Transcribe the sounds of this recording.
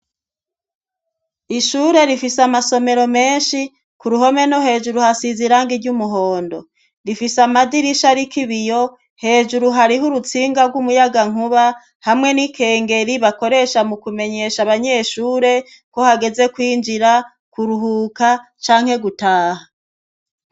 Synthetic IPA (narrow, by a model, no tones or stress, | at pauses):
iʃuːɾe̞ɾifisamaso̞me̞ɾo̞me̞ːnʃi | kuɾuɦo̞me̞no̞ɦe̞ːʒuɾuhasiziɾaŋɡiɾɟumuɦo̞ːndo̞ | ɾifisamadiɾiʃaɾikiβijo̞ | he̞ːʒuɾuɦaɾiɦuɾut͡siːŋɡaɾɡumujaɡaŋ̥uβa | hamŋe̞nikʰe̞ːŋɡe̞ɾiβako̞ɾe̞ʃamukume̞ɲe̞ʃaβaɲe̞ʃuːɾe̞ | ko̞haɡe̞ze̞kwiːnd͡ʒiɾa | kuɾuɦuːka | t͡ʃaːŋhe̞ɡutaːha